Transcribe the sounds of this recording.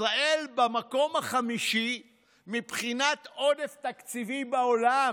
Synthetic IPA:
ʁaʔe̞lbamako̞maχamiʃi | mipχinat̪o̞deft̪akt͡sivibaola

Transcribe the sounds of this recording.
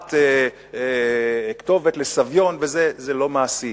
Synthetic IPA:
te | kt̪o̞vetlesavjo̞nvezezelo̞maːsi

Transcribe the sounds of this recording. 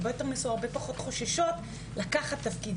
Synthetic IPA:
bejoteʁmesuaʁbepaχo̞t̪χo̞ʃaʃot | lakaχat̪ːafkid

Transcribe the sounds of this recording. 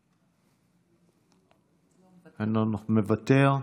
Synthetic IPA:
ananumevat̪eʁ

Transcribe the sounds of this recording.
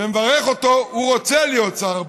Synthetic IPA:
emevaʁeχo̞t̪o̞uʁot͡selijott͡saʁ

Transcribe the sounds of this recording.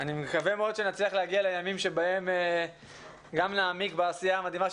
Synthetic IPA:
animekavemeo̞d̪ʃenat͡sliaχleaɡialejamimʃe̞baeme | ɡamnaːmikbeasijaːmad̪imaʃ

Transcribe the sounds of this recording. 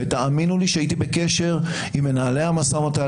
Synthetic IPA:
et̪aaminuliʃeait̪ibeke̞ʃe̞ʁ | imːe̞naːleamasamot̪a

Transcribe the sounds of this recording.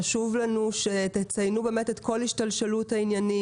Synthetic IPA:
aʃuvlanuʃet̪et͡sajnube̞ːmetetko̞lhiʃtalʃeluthainjani

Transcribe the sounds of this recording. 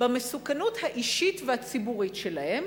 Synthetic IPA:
bamesukanuthaʔiʃitvehat͡sibuʁitʃelahe̞m

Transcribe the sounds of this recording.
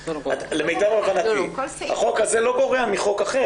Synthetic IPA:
alemejt̪avaχanat̪iha̰χo̞kaze̞lo̞ɡo̞ʁeamiχo̞kaχe

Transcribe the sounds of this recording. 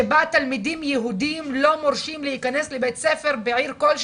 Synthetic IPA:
baːt̪almid̪iːmjeɦud̪imlomoɾʃimlehikaneslebejt̪sefeɾbeʕiːɾkolʃ

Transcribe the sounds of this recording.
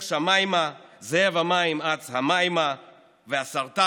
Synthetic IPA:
ʃamajmazeevamaimat͡shamajma | veasaʁt̪a

